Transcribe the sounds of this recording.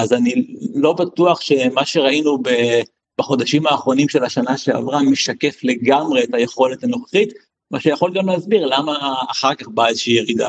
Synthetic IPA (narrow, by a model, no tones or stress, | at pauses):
azanilo̞bat̪uaχʃe̞maʃeʁainube | b̥aχo̞d̪aʃimaːχʁo̞nimʃe̞laʃanaʃe̞a̰vʁameʃake̞fle̞ɡamʁe̞ːtaje̞χo̞let̪ano̞χeχit | maʃejaχo̞lɡamleazbiʁlamaːχaʁkaχbaezeʃiːjeʁid̪a̰